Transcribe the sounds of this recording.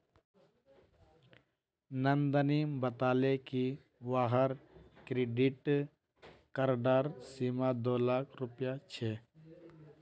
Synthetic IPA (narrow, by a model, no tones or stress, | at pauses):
nənd̪əniːmbət̪aːleki | ʋaːɦəɾkɾeːɖɪʈ | kəɾɖaːɾsiːmad̪oːlaːkʰɾʊpjat͡ʃʰeː